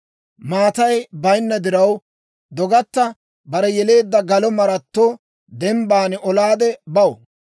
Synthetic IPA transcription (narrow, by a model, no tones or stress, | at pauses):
maːt̪ɐjbɐjnːɐd̪ɪɾɐw | d̪ɔɡɐt̪ːɐ | bɐɾɛjɛle̞ːd̪ːɐɡɐlɔmɐɾɐt̪ːoː | d̪ɛmbaːnɔlaːd̪ɛbɐwɔ